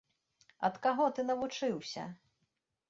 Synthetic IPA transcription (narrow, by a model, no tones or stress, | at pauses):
ɐ̰t̪kaɣɔt̪ɨnɐvut͡ʂɨwsʲɐ̰